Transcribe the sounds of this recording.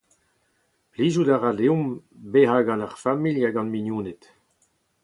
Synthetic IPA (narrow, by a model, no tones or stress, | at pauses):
pliːzudaʁadeũm | behaɡɑ̃naʁfamiljaɡɑ̃nminjuːnet̪